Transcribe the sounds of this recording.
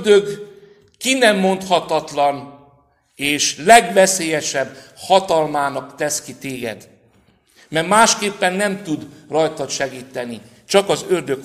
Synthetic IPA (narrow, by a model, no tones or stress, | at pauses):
d̪øɡ | kinɛmːo̞nt̪hɒt̪ɒt̪lɒn | eːʃlɛɡʋɛseːjɛʃɛbhɒt̪ɒlmaːnɒkt̪ɛskit̪eːɡɛ̰d̪ | mɛrmaːʃkeːpːɛnːɛmt̪ud̪rɒjt̪ɒʃɛɡiːt̪ːɛni | t͡ʃɒkɒzørd̪ø̞k